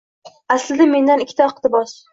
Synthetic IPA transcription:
aslɪd̪ame̞nd̪anɪkʲʰːɪ̥t̪aɨqt̪ɪbɒs

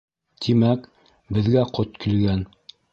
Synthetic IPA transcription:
t̪ʰimæk | bɘ̆ðɡæqʰot̪kĭlɡæn

